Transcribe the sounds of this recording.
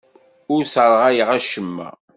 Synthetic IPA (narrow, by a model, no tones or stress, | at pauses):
ʊɾsəɾˤʁæjəʁæʃəmːæ̰